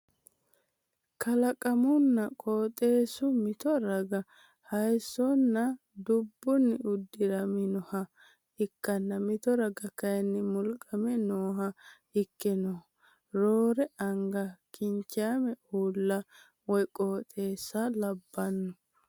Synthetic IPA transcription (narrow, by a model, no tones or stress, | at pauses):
kʰɐlɐkʼɐmʊnːɐkʼoːt̪ʼe̞ːsʊmɪt̪ɔɾɐɡɐ | hɐjsːɔnːɐ | d̪ʊbːʊnːɪʔʊd̪ːɪɾɐmɪnɔhɐ | ɪkːɐnːɐmɪt̪ɔɾɐɡɐkɐjɛnːɪmʊlkʼɐmɛnoːɦɐ | ɪkːɪnɔ | ɾoːɾɛʔɐŋɡɐkʰɪɲt͡ʃːɪaːmɛuːlːɐ | wɔjkʼoːt̪ʼe̞ːsːɐlɐbːɐnːɔ